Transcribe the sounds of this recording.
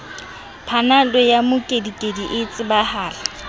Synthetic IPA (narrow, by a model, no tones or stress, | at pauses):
pʰanalɔjamʊkʼedikʼediʔɪt͡sʼɪbahaːla